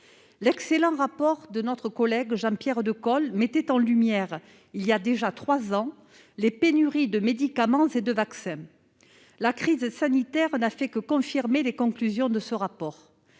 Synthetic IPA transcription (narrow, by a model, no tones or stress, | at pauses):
lɛkselɑ̃ʁapɔʁd̪ənɔt̪χəkɔlɛɡʒɑ̃pjɛʁd̪əkɔlmet̪ɛt̪ɑ̃lymjɛʁ | iliad̪eʒat̪χwazɑ̃ | lepenyʁid̪əmed̪ikamɑ̃zed̪əvaksɛ̃ | lakχizsanit̪ɛʁnafɛkəkɔ̃fiʁmelekɔ̃klyzjɔ̃d̪əsəʁapɔʁ